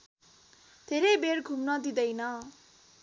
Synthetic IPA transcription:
d̪ʱeɾejbeɽɡʱumnʌd̪id̪ʌjnʌ

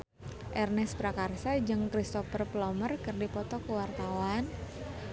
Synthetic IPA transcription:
ʔɛrnɛspɾakarsad͡ʒɨŋkɾist̪ɔfərplɔmərkɨrdipɔt̪ɔkəwart̪awan

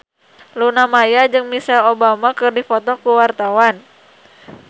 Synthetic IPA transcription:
lunamajad͡ʒɨŋmisɛlobamakɨrdifɔt̪ɔkuwart̪awan

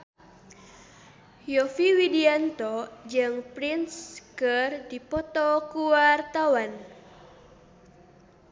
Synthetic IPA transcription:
jɔfiwidiant̪ɔd͡ʒɨŋpɾinskərdipɔt̪ɔkuwart̪awan

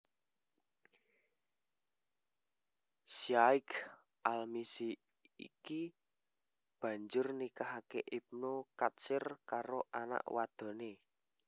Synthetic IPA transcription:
siaɪk | ʔalmisi | ḭki | b̥ä̤ɲd͡ʒʊrnikaɦakeʔip̚nokat̪sɪrkaɾoʔana̰ʔwad̪̥o̤ne

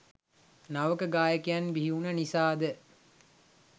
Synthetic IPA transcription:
naʋəkəɡaːjəkejanbiɦiunɐnisaːd̪ə

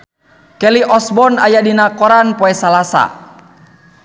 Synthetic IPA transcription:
kɛliʔɔsbɔna̰jadinakɔɾanpɔɛsalasa̰

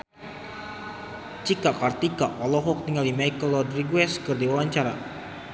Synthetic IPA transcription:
t͡ʃikaʔkart̪ikaʔpalɔɦɔk̚t̪iŋaldimajkɔlɔdriɡwɛskɨrdiwawaɲt͡ʃaɾa̰

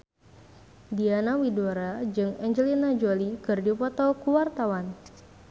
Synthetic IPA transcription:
dianawidoɾad͡ʒɨŋɛɲd͡ʒəlinad͡ʒolikɨrdipɔt̪ɔkuwart̪awan

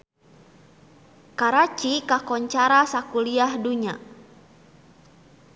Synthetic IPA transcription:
kaɾat͡ʃikakɔɲt͡ʃaɾasakuliahduɲa̰

